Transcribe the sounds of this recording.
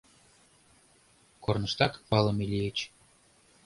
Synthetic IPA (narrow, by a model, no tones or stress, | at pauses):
kornɤ̆ʃt̪ɑkpɑlˠɤ̆milʲiet͡ɕ